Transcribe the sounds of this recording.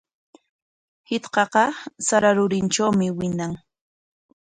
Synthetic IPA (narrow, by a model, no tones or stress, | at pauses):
hɪt̪qɑqɑsaɾaɾʊɾɪnʈ͡ʂawmɪwɪnaŋ